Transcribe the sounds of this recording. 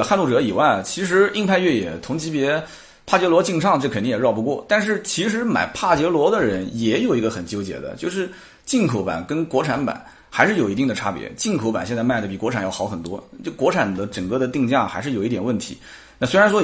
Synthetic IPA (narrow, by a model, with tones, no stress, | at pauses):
xa˥˧nlu˥˩ʈ͡ʂɤ˧˥i˨˩wa˥˩t͡ɕʰi˧˥ʂ̬ɻ̩˧˥i˥˧ŋpʰa˥˧ɪɥɛ˥˩jɛ˨˩t̪ʰʊ˧˥ŋt͡ɕi˧˥pjɛ˧˥ | pʰa˥˩t͡ɕjɛ˧˥lwɔ˧˥t͡ɕi˥˧ŋʈ͡ʂʰɑ˥˧ŋʈ͡ʂɤ˥˩kʰə˨˩ni˧˥ŋjɛ˨˩ɻɑ˥˩ʊpu˧˥kwɔ˥˩t̪a˥˧nʂ̬ɻ̩˥˩t͡ɕʰi˧˥ʂ̬ɻ̩˧˥ma̰˨˩ɪpʰa˥˩t͡ɕjɛ˧˥lwɔ˧˥d̪ə˨ɻə˧˥njɛ˧˩˥jo˨˩ʊi˧˥ɡə˧xə˨˩nt͡ɕjo˥ʊt͡ɕjɛ̰˨˩d̪ə̰˦t͡ɕjo˥˧ʊʂɻ̩˥˧ | t͡ɕi˥˩ŋkʰo˧˥ʊpa̰˨˩nkə˥nkwɔ˧˥ʈ͡ʂʰa˧˥npa̰˨˩˦n | xa˧˥ɪʂɻ̩˥˩o˨˩ʊi˧˥t̪i˥˩ŋd̪ə˩ʈ͡ʂʰa̰˥pjɛ̰˧˥t͡ɕi˥˩nkʰo˧˥ʊpa˨˩nɕjɛ˥˧nt͡sma˥˩ɪd̪ə˩pi˨˩kwɔ˧˥ʈ͡ʂʰa˨˩njɑ˥˩ʊxɑ˧˥ʊxə˨˩nt̪wɔ̰˥t͡ɕjo˥˩ʊkwɔ˧˥ʈ͡ʂʰa˨˩nd̪ə˦ʈ͡ʂə˨˩ŋkɤ˥˧˩d̪ə˩t̪i˥˧ŋt͡ɕja˥˩xa˧˥ɪʂɻ̩˥˩jo˨˩ʊi˥t̪jɛ˨˩nwə˥˩nt̪ʰḭ˧˥ | na˥˩swɪɻa˧˥nʂ̬wɔ˥